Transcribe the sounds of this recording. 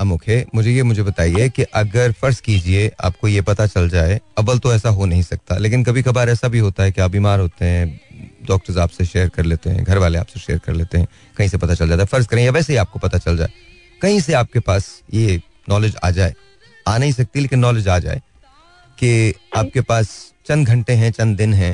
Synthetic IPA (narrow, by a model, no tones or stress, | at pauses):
ɐmʊ̃ːkʰeːmʊd͡ʒʱejemʊd͡ʒʱebɐt̪aːiɛkeʔɐɡəɾfɐɾskiːd͡ʒieʔa̰ːp̚kojepɐt̪at͡ʃɐld͡ʒaːeɐbəlt̪oɛːsaɦonɐɦĩsɐk̚t̪a̰leːk̬ɪnkɐbʱikɐbaːɾɛːsabʱiɦoːt̪aɦɛkeaːp̚biːmaːɾɦoːt̪eɦɛ̃ɖɔːk̚ʈəɾzaːpseʃeːəɾkɐɾleːt̪eɦɛ̰̃ɡʱɐɾʋaːleaːpseʃḛːəɾkɐɾleːt̪eɦɛ̃ | kɐɦĩsepɐt̪at͡ʃɐld͡ʒaːt̪aɛfɐɾzkɐɾẽːjaʋɛːseɦiaːp̚kopɐt̪at͡ʃɐld͡ʒa̰ːe | kɐɦĩseaːp̚kepaːsje | nɔːlɪd͡ʒa̰ːd͡ʒaːḛ | aːnɐɦĩsɐk̚t̪ileːkɪ̃nːɔːled͡ʒaːd͡ʒa̰ːḛ | keaːp̚kepaːst͡ʃɐ̃nɡʱɐ̃ɳʈeɦɛ̃t͡ʃɐ̃nd̪ɪnɦɛ̃ː